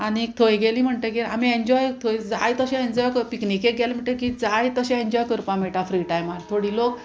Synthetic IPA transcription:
aniek̚t̪ʰojɡeliːm̤əɳt̪ekiɾa̰m̤ieɲd͡ʑɔjk̚t̪ʰojd͡zajt̪əɕẽeɲd͡ʑɔjkəɾpiknikek̚ɡelim̤əɳʈ̪əkid͡zajt̪əɕɛ̃eɲd͡ʑɔjkəɾpãmeʈafɾiːʈajmalt̪ʰoɽiːlok

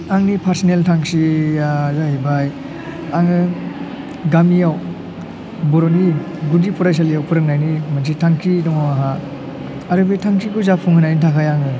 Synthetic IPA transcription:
aŋnipʰaɾsineltʰaŋsiazahibaj | aŋɯ | ɡamijaw | bɔɾɔni | ɡudipʰɔɾajs̬alijawpʰɯɾɯk̚najnimans̬itʰaŋkʰidɔŋɔaɦa | aɾɯbetʰaŋkʰikɔzapʰuŋhɯnajnitʰakʰajaŋɯ

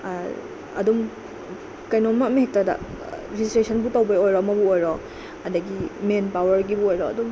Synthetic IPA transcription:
ɐ̰dum | kɐjnomːameɦek̚tada̰ | ɾiistɾesʰɐnbutawbɐjojɾɔmɐbuojɾɔ | ɐdɐɡimenpawɐɾɡibuojɾɔɐdum

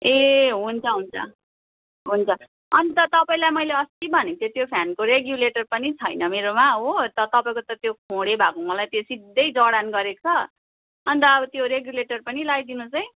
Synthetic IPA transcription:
eɦunt͡sʰʌɦunt͡sʰʌ̰ | ɦunt͡sʰʌ | ʌnit̪ʌt̪ʌpaĩlajmʌjleʌst̪ibʱʌnet̪ʰet̪jopʰjankoɾeɡjuleʈʌrpʌnit͡sʰʌjnʌmeɾomaɦot̪ʌt̪ʌpaĩkot̪ʌt̪jokʰõɽebʱakomʌlajt̪josid̪ːʌjd͡zʌɽanɡʌɾet͡sʰʌ | ʌnit̪ʌːbʌt̪joɾeɡjuleʈʌrpʌnilajd̪inut͡sʌj̃

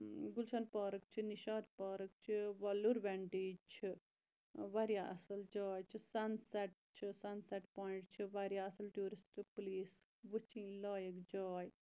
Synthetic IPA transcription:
ɡulʃɐːnpɔːɾɐk̚t͡ʃʰiniʃaːd̪pɔːɾɐk̚t͡ʃʰiʋɐluɾʋɛɳʈiːd͡ʒt͡ʃʰi | ʋɐɾjaɐsɐld͡ʒɔːjt͡ʃʰisɐnsɛʈ̚t͡ʃʰɨsɐnsɛʈpoːiɳʈt͡ʃʰiʋɐɾjaɐsɐlʈjuːɾisʈʰɨpliːs | ʋɨt͡ʃʰĩːlɔːjɐkd͡ʒɔːj

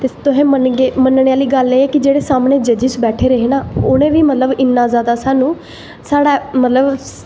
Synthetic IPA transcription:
t̪eːt̪ʊɦẽːmənɡeːmənɳeaːliːɡəleːɛːkɪd͡ʒeːɽeːsaːmneːd͡ʒəd͡ʒɪsbɛːʈʰeːɾəɦeːnaːʊnẽːʋiːmət̪ləbɪnːãːzaːd̪aːsaːnũː | saːɽaːmət̪ləb

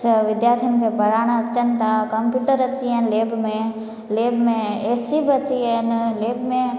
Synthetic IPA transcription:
ʋɪd̪jaːt̪ʰinkʰẽbɐɽaːɽ̃at͡ʃənt̪akɐmpjuːʈəɾɐt͡ʃiɛnleːbmẽ | leːbmẽeːsibɐt͡ʃiɛnleːbmẽ

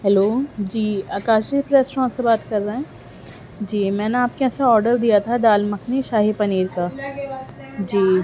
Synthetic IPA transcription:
ɦɛloːd͡ʒiːaːkaːʃd͡ʒipɾeːsɾɔ̃ːnsebaːt̪kɐɾːeɦɛ̃ː | d͡ʒiːmɛ̃ːneaːp̚keɛsaɔːɾɖəɾd̪ijat̪ʰaɖaːlmɐkʰniʃaːɦipɐniːɾka | d͡ʒiː

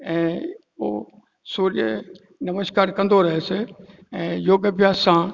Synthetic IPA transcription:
ɛ̃ː | o̰ː | suːɾjə | nɐməskaːɾkɐ̃nd̪oːɾɐɦese | ɛ̃joːɡəbjaːsãː

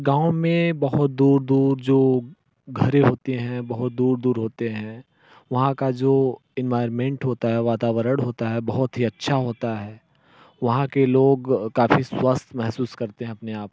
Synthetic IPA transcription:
ɡãːʊ̃mẽbɐɦʊt̪̚d̪uːɾd̪uːɾd͡ʒoː | ɡʱɐɾeɦoːt̪eɦɛ̃bɐɦʊt̪̚d̪uːɾd̪uːɾɦoːt̪eɦɛ̃ː | ʋɐɦãkad͡ʒoːɪnʋaːɪɾmẽːɳʈɦoːt̪aɦɛʋaːt̪aːʋəɾəɽ̃ɦoːt̪aɦɛbɐɦʊt̪ɦiɐtːʃʰaɦoːt̪aɦɛː | ʋɐɦãkeloːɡkaːfiswɐst̪ʰmɛɦsuːskɐɾt̪eɦɛ̃ɐpneaːp̚

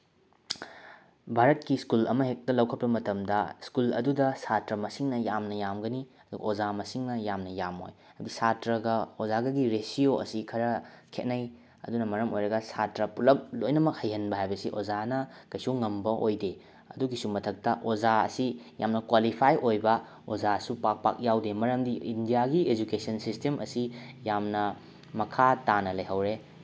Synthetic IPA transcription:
bʱaɾɐtkiskulɐ̰mɐɦek̚tɐlɐwkʰɐtpɐmɐtɐmdɐskulɐ̰dudɐsatɾɐmɐsiŋnɐjamnɐjamɡɐniɐduɡɐ̰ozamɐsiŋnɐjamnɐjamo̰j | ɐbisatɾɐɡɐozaɡɐɡiɾesioʔɐ̰sikʰɐɾɐkʰet̚nɐj | ɐ̰dunɐmɐɾɐmojɾɐɡɐsatɾɐpulɐp̚lojnɐmɐk̚hɐjhɐnbɐɦajbɐsiʔozanɐkɐjsuŋɐmbɐʔojde | ɐduɡisumɐtʰɐk̚tɐʔozaɐ̰sija̰mnɐkwalipʰajʔojbɐ | ozasupak̚pa̰k̚jawdemɐɾɐmdiindijaɡied͡ʒukesɐnsistemʔɐ̰sijamnɐ | mɐkʰatanɐlɐjɦɐwɾe

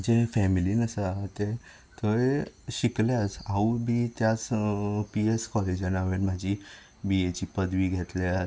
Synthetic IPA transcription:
d͡ʑefɛmilinəsəaɦt̪e | t̪əeɕiklasaubʱiːt̪jat͡spieskɔled͡ʑanaʋenm̤ad͡ʑʱi | biet͡ɕiːpəd̪ʋiːɡʱet̪lea

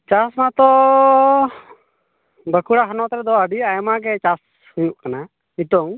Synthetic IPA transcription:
t͡ʃasmat̪ɔ | bəkuɽaɦanɔt̪ɾɛd̪ɔəɖiajmaɡɛt͡ʃas | hujuʔkana | it̪ɔŋ

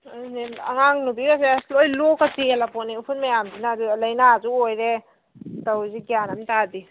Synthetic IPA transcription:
ania̰ŋaŋnubiɡaseslojlokatielapɔniupʰunmajamdinazulajnazuojɾe | tawziɡijanamtadi

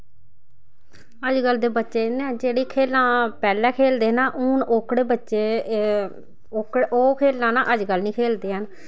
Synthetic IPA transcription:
əd͡ʒɡəlːd̪eːbətːʃeːɪned͡ʒeːɽiːkʰeːlːãːpɛːlɛ̃ːkʰeːld̪eːnaːʔuːnoːkɽeːbətːʃeː | okɽoːkʰeːlːãːnãːʔəd͡ʒɡəlnĩːkʰeːld̪eːɦən

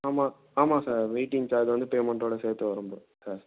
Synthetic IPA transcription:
aːmaː | aːmaːsaːɾʋeɪʈːɪŋt͡ʃaːðɯʋɐnd̪ɯpeːmɐɳʈoːɽɐseːɾt̪ːɯʋɐɾɯmpo̰ː | saːɾ

